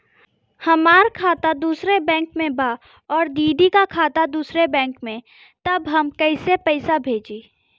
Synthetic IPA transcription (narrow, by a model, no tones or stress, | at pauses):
hɐmaːɾkʰaːt̪ad̪uːsɾebɛ̃ːŋkmẽbaː | ɔːɾd̪iːɖikakʰaːt̪ad̪uːsɾebɛ̃ːŋkmẽ | t̪ɐbɦɐmkɐɪsepɛɪsabʱeːd͡ʒiː